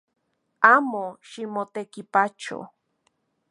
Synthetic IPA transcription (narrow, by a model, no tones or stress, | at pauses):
aːmoʃimot̪ekipat͡ʃo̰